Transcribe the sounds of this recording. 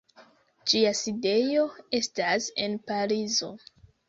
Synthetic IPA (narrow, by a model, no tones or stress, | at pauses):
d͡ʒiaside̞jo̞e̞stase̞npaɾizo̞